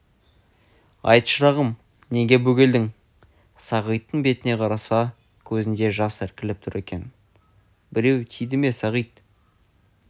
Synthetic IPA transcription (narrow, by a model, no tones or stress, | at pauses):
ɑ̰jt̪ʃəɾɑʁəm | ne̞ɡʲe̞bɵɡʲe̞ld̪ɪŋ | sɑʁəjt̪ːəɴbe̞t̪ɪne̞qʰɑɾɑsɑ | kʲʰɵzɪnd̪e̞ʒɑsɪɾkʲɪlɪp̚t̪ʰʊɾe̞kʲe̞n | bɪɾe̞wt̪ʰijd̪ɪme̞sɑʁijt̪